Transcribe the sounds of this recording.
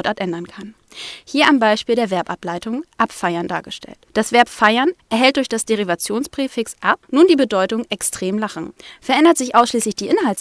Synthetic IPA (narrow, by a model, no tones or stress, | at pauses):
tʔaːtʔɛndɐnkʰan | hiːɐʔambaɪʃpiːldeːɐvɛɐpʔaplaɪtʊŋʔapfaɪɐnda̰ːɐɡəʃtʰɛ̰ltd̥asv̥ɛɐpfaɪɐnʔɛɐɦɛlt̚d̥ʊɐçd̥asd̥eʁivat͡sjoːnsb̥ʁ̥eːfɪksʔapnuːndiːbədɔʏtʊŋɛkstʁ̥eːmlaχn̩fɛɐʔɛndɐtz̥ɪçʔaʊsʃliːslɪçd̥iːʔɪnhalts